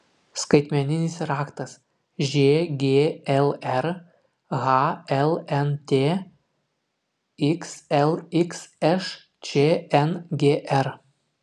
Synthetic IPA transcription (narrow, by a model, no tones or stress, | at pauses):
skɐɪt̪ʲmʲɛnʲɪnʲɪsɾɑːkt̪ɐs | ʒʲeːɡʲeːɛlˠɛɾ | ɣɑɛlˠɛnt̪ʲeː | ɪksɛlˠɪksɛʃ | t͡ʃʲeːɛnɡʲeːʔɛɾ